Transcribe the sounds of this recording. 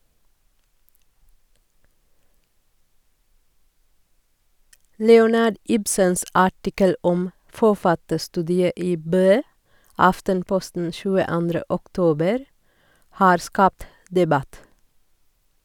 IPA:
ˈlɛʊnɑɖ ˈɪbsəns ˈɑʈɪkəl ˈɔm fɔˈfɑtəˌstʉːdɪə ˈiː ˈbøː ˈɑftənˌpɔstn̩ ʃʉːəˈɑndɾə ɔkˈtoːbəɾ ˈhɑːɾ ˈskɑːpt dɛˈbɑt

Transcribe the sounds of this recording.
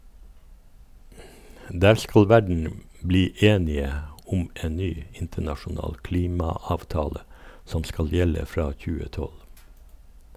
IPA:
ˈdæːɾ ˈskɑl ˈʋæɖɳ̩ ˈbliː ˈeːnɪə ˈʊm ˈeːn ˈnyː ˈɪntənɑʃʊˌnɑːl ˈkliːmɑɑːʋˌtɑːlə ˈsɔm ˈskɑl ˈjɛlə ˈfɾɑː ˈçʉːə ˈtɔl

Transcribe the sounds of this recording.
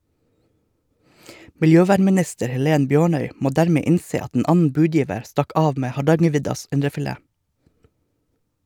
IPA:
mɪlˈjøːˌʋæːɳmɪˌnɪstəɾ hɛˈleːn ˈbjøːɳœʏ ˈmoː ˈdæːɾmeː ˈɪnseː ˈɑt n̩ ˈʔɑːn̩ ˈbʉːˌdjiːʋəɾ ˈstɑk ˈɑːʋ ˈmeː hɑˈɖɑŋəˌʋɪdɑs ˈɪnɖəfɪˌleː

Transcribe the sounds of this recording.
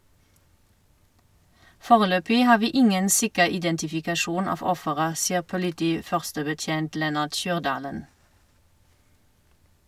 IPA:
ˈfoːʁəˌløːpɪ ˈhɑː ˈʋiː ˈɪŋən ˈsɪkəʁ ɪdɛntɪfɪkɑˈʃuːn ˈɑːf ˈɔfəʁə ˈsiːəʁ pʊlɪˈtiːˌfœʁstəbəˌtjeːnt ˈlɛnɑʁt ˈʃyːʁˌdɑːlən

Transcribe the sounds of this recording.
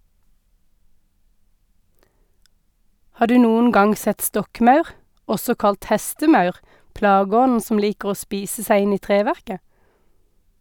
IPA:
ˈhɑːʁ ˈdʉː ˈnuːən ˈɡɑŋ ˈsɛt ˈstɔkˌmɑʉʁ ˈɔsɔ ˈkɑlt ˈhɛstəˌmɑʉʁ ˈplɑːˌɡɔnn̩ ˈsɔm ˈliːkʁ̩ ˈoː ˈspiːsə ˈsæɪ ˈɪn ˈiː ˈtʁeːˌʋæʁkə

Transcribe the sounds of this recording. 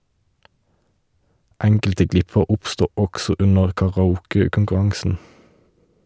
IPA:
ˈɛŋkəltə ˈɡlɪpəʁ ˈʊpˌstuː ˈɔɡsɔ ˈʉnəʁ kɑʁɑˈuːkəkʊŋkʉˌʁɑŋsn̩

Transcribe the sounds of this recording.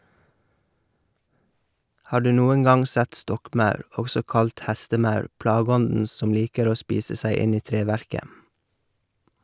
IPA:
ˈhɑː ˈɖʉː ˈnuːəŋ ˈɡɑŋ ˈsɛt ˈstɔkˌmɑʉɾ ˈɔɡsɔ ˈkɑlt ˈhæstəˌmɑʉɾ ˈplɑːˌɡɔndn̩ ˈsɔm ˈliːkəɾ ˈoː ˈspiːsə ˈsæɪ ˈɪn ˈiː ˈtɾeːˌʋæɾkə

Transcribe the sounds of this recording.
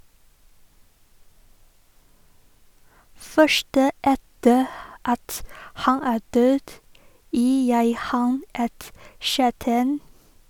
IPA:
ˈfœʃʈə ˈɛtə ˈɑt ˈhɑn ˈæː ˈdøːd ˈjiː ˈjæɪ ˈhɑn ˈɛt ˈʃæːʈæɪn

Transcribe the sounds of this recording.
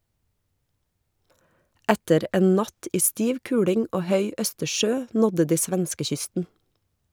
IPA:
ˈætəɾ ˈeːn ˈnɑt ˈiː ˈstiːʋ ˈkʉːɽɪŋ ˈoː ˈhœʏ ˈœstəˌʃøː ˈnɔdə ˈdiː ˈsʋɛnskəˌçʏstn̩

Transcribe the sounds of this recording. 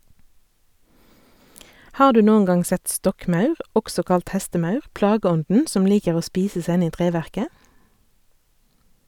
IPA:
ˈhɑːʁ ˈdʉː ˈnuːən ˈɡɑŋ ˈsɛt ˈstɔkˌmɑʉʁ ˈʔɔksɔ ˈkɑlt ˈhɛstəˌmɑʉʁ ˈplɑːɡəˌɔndn̩ ˈsɔm ˈliːkəʁ ˈoː ˈspiːsə ˈsæ ˈɪn ˈiː ˈtʁeːʋæʁkə

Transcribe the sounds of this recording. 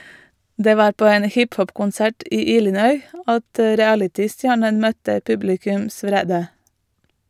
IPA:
ˈdeː ˈʋɑːɾ ˈpoː ˈeːn ˈhɪpˌhɔpkʊnˌsæʈ ˈʔiː ˈiːlɪnœʏ ˈɑt ə ɹɪˈælɪtɪˌstjæːɳən ˈmœtə ˈpʉblɪkʉms ˈʋɾeːdə

